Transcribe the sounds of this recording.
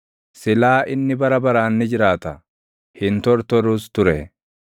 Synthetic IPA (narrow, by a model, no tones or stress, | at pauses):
sɪlaːʔɪnːɪbɐɾɐbɐɾaːnːɪd͡ʒɪɾaːt̪ɐ | hɪnt̪ɔɾt̪ɔɾuːst̪ʊɾɛ